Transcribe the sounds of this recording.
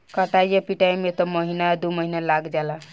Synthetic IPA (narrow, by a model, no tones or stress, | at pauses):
kəʈajjepiʈajmet̪ɔməɦinad̪uməɦinalaɡd͡ʒala